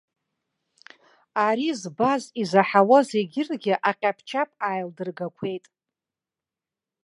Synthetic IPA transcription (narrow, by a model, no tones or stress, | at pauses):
aɾizbazizaħawaze̞ɡʲɪrɡʲɪʔaqʲʼapʰt͡ʃʰapʼajldɨrɡakʷʰe̞jtʼ